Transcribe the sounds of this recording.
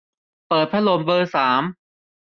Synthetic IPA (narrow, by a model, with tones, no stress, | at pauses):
pɤː˨˩t̪̚pʰa˥lo˧mbɤː˧saː˩˦m